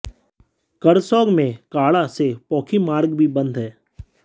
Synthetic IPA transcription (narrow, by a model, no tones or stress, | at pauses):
kəɾsɔːɡmẽkaːɭasepɔːkʰimaːɾɡbʱibɐ̃nd̪ʱɦɛː